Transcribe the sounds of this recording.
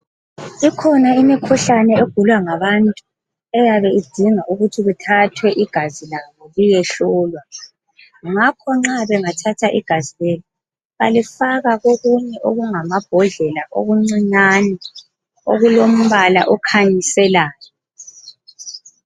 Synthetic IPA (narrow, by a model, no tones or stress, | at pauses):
ikʰɔnaimikʰuɬanɛeɡ̥ʱulwaŋaβantʼu | ɛjaβɛid̥ʱiŋaʔuɣutʰiɣutʰatʰwɛʔiɡ̥ʱazilaβɔɣujɛɬɔːlwa | ŋakʰɔŋ͡ǁaβɛŋatʰatʰaʔḭɡ̥ʱazilɛlɔ | βalifaɣaɣoɣuɲɛʔoɣuŋamab̥ʱɔɮɛlaʔo̰ɣuŋ͡ǀiɲanɛ | oɣulom̩βala̰ʔɔkʰaɲisɛlaːjɔ